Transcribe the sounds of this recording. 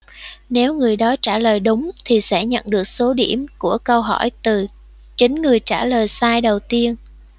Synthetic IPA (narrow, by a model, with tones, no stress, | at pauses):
ne˨˦wŋɨ˨˩əjɗɔ˨˦t͡ɕaː˧˩ləː˨˩jɗʊ˨˦ŋ͡mt̪ʰi˨˩sɛ̰˧˥ɲə̰˧˨nɗɨ˨˩ək̚so˨˦ɗi˧˩əmku˧˩əkə˧wɦɔ˧˩jt̪ɨ˨˩ | t͡ɕï˨˦ŋ̟ŋɨ˨˩əjt͡ɕaː˧˩ləː˨˩jsaː˧jɗə˨˩wt̪i˧ən